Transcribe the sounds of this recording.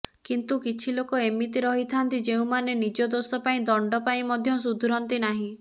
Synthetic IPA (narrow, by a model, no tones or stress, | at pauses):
kint̪ukit͡ʃʰilokɔemit̪iɾɔɦit̪ʰant̪id͡ʒeũmanenid͡ʒɔd̪osɔpaĩd̪ɔɳɖɔpaĩmɔd̪ʱjɔs̬ud̪ʱuɾɔnt̪inaɦĩ